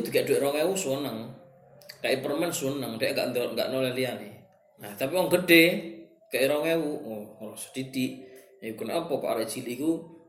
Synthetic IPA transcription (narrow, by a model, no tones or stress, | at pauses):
d̪ukaʔd̥uɾɔŋewusuənəŋ | kaʔipərmɛnsuənəŋdɛʔŋɡa̰ʔnd̪ɾɔt̪̚ŋɡa̰ʔnolɛhliani | naht̪apiwɔŋɡəɖe | kaʔiɾɔŋewulɔsd̥id̥iʔ | jukʊnɔpɔkɔ̰ʔa̰ɾaʔd͡ʒiliku